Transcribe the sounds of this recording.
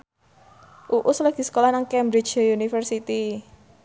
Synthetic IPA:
ʔuʔusləɡ̥i̤sə̥kolahnaŋkɛmbɾi̥t͡ʃjunifərsit̪i

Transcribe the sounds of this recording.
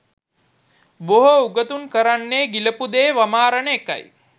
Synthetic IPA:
boɦouɡət̪unkəɾanːeːɡiləpud̪eːʋamaːɾənəeka̰j

